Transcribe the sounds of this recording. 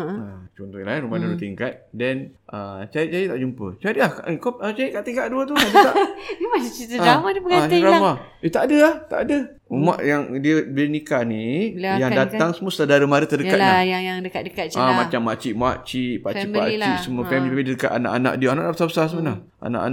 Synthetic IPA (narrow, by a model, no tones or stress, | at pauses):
at͡ʃɔnt̪ɔjalainumadulut̪iŋkat̪̚dɛnʔət͡ʃaɾit̚t͡ʃajət̪aʔd͡ʒumpə̰t͡ʃaɾiʔlahkaʔkoət͡ʃaɾiʔkaʔt̪iŋkaʔ̚duət̪uad̪a̰ʔmat͡ʃat͡ʃit̪əamadiəbəɡaiɾama | it̪aʔadəaht̪a̰ʔadə | uma̰ʔjaŋdiəbinikanijaŋdat̪aŋsəmuəsadaɾəmaɾət̪ədəkkat̪aajaŋjaŋdəkat̪̚dəkat̪̚t͡ʃamat͡ʃamːaʔt͡ʃiʔmaʔt͡ʃipaʔipat͡ʃiʔsəmuəpɛmidədəkat̪ana̰ʔana̰ʔdiaanaʔnaʔbəsabəsasəmana | a̰na̰ʔa̰n